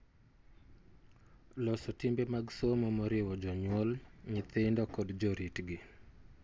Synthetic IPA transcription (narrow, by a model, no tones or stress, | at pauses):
lɔsɔtɪmbemaɡsomomɔɾɪwɔd͡ʒɔɲwɔlɲɪt̪ɪndɔkɔdd͡ʒɔɾitɡɪ